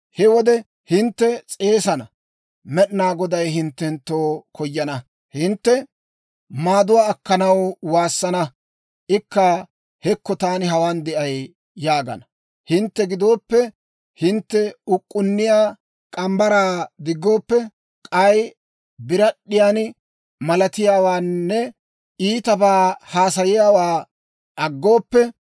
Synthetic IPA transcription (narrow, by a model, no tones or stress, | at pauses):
hɛwɔd̪ɛ | hɪnt̪ːɛt͡sʼe̞ːsɐnɐ | mɛɗnaːɡɔd̪ɐjɦɪnt̪ːɛnt̪ːoːkʰɔjːɐnɐ | hɪnt̪ːɛ | maːd̪ʊwaːkːɐnɐwwaːsːɐnɐ | ʔɪkːɐ | hɛkːɔt̪aːnɪɦɐwaːnd̪ɛʔɐjː | aːɡɐ̰nɐ | hɪnt̪ːɛɡɪd̪o̞ːpːɛ | hɪnt̪ːɛʊkʼːʊnːɪjaː | kʼɐmbɐɾaːd̪ɪɡːo̞ːpːɛ | kʼɐj | bɪɾɐɗɪjaːn | mɐlɐt̪ɪjaːwaːnːɛ | iːt̪ɐbaːhaːsɐjɪjaːwaː | ʔɐɡːo̞ːpːɛ